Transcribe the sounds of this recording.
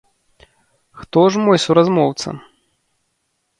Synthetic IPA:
xt̪ɔʐmɔjsuɾazmɔwt̪sɐ̰

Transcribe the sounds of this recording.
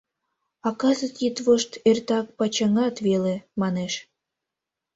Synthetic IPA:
ɑkɑzət̪it̪βoʃt̪ert̪ɑk̚pɑt͡ɕɑŋɑt̪βelemɑneʃ

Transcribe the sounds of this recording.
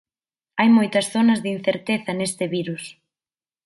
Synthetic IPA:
ajmojt̪ɐsθonɐzðɪin̟θeɾt̪eθɐnest̪ɪβiɾus

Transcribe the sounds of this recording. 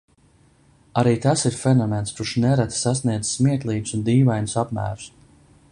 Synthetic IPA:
aɾiːt̪asiɾfɛnɔmenskuɾʃnɛɾat̪sasniɛd̪zsmiɛk̪lˠiːd̪u̥sund̪iːvajnusapmæ̰ːɾu̥s

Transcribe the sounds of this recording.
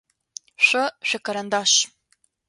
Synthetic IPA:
ɕʷɔʃʷᶣɐkʰɐɾɐndaːʃ

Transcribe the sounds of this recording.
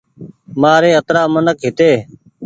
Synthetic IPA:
maːɾeːət̪ɾaːmənəkɦɪt̪eː

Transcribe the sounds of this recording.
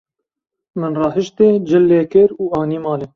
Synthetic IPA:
mɨnrɑːɦɨʃt̪eːd͡ʒɪlːeːkɪɾuːɑːniːmɑːleː

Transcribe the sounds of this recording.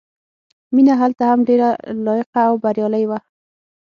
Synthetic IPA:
minaɦalt̪aɦamɖeɾalɔjɪqaːwbaɾjɔlajwa

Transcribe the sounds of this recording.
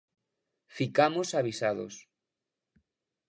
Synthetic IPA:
fikamosaβisaðo̰s

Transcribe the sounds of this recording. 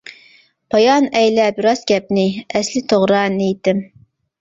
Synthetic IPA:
pʰɑjɑnɛjlɛbɪɾɑz̥ɡʲɛp̚nɪɛslɪt̪ʰoʁɾɑnejt̪ɪm

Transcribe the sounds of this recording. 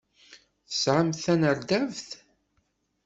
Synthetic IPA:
θə̥sʕəmθænəɾd̪ævθ

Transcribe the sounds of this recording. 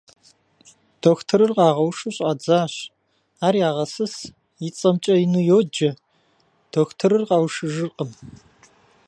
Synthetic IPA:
d̥oːxtʰɨɾɨrqɑːʁɐwʂɨɕʼaːd͡zaːɕ | aːɾjaːʁɐsɨs | jɪt͡sʼɐmt͡ʃʼɐinujoːd͡ʒɐ | d̥oːxtʰɨɾɨrqɑwʂɨʒɨrqʼəm

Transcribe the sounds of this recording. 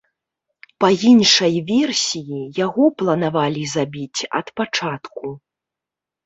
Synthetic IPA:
pɐinʂɐjvʲɛrsʲijijaɣɔplˠɐnavalʲizabʲit͡sʲɐ̰t̪pat͡ʂat̪ku

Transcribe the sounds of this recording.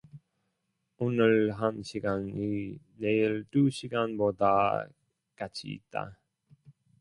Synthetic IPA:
onɯɭɦanɕʰiɡani | ne̞iɭtuɕʰiɡanboda̰ | kat͡ɕʰḭːt̚t͈a̰

